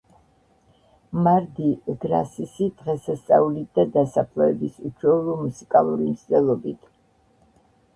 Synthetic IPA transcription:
maɾd̪iɡɾa̰sisid̪̥ʁɛsast̪sʼa̰ulid̪ad̪asapʰlˠɔɛbisut͡ʃʰwɛulˠɔmusikʼalˠuɾimt̪sʰd̪ɛlˠɔbit̪ʰ

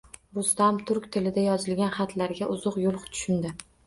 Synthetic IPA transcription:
bʊst̪amt̪ʰʊɾkʲt̪ʰɪlɪd̪ajɒzɪlɡʲanχɑt̪ʰlaɾɡʲaʔʊzʊqjʊlˠχt̪ʰʊ̥ʃɪnd̪ɪ

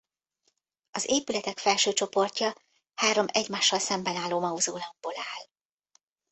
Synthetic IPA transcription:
ɒzeːpylɛt̪ɛkfɛlʃøːt͡ʃo̞po̞rcɒ | haːɾo̞mɛɟmaːʃːɒlsɛmbɛnaːlːoːmɒuzoːlɒɡ̚b̥oːlaːl

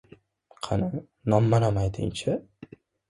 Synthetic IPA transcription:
qʰɑnɪ | nɒmːanamajd̪ɪ̰nt͡ʃʰɪ

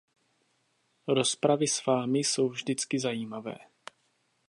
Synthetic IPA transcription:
ɾo̞spɾavɪsv̥aːmɪso̞wvʒdɪt͡skɪzajiːmavɛ̰ː

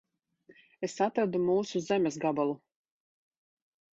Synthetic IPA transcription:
esat̪ɾad̪umuːsuzemʲɛsɡabalˠu

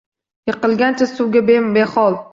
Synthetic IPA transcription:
jɨqɨlˠɡʲant͡ʃʰasʊwɡʲabebeχɒlˠ

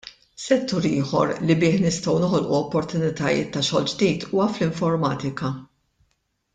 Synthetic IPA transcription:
sɛt̪ːuːɾɪːħɔ̰ɾlibɪːħnɪst̪ɐwnɔɦɔlʔuɔpːɔɾt̪ʊnɪt̪ɐjɪ̰ːt̪ːɐʃɔːld͡ʒd̪iːt̪ʰuːɐflɪɱfɔɾmɐːt̪ɪkɐ

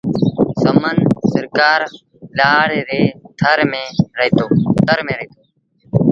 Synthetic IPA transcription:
səmənsəɾkaːɾ | laːɽ̤ɾeːt̪ʰəɾmẽːɾəɦiːt̪oːt̪əɾmẽːɾəiːt̪oː

